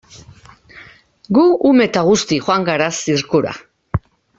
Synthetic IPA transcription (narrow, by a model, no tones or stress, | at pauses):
ɡuːme̞t̪aɣust̪iχoaŋɡaɾasiɾkuɾa̰